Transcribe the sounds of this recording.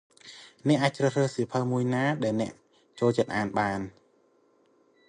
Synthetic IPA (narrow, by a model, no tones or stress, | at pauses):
nɛ̆əʔaːc̚t͡ɕrəhrəːsipʰəlmuəjnaːɗaɛlnɛ̆əʔ | t͡ɕoːlt͡ɕət̪̚ʔaːnɓaːn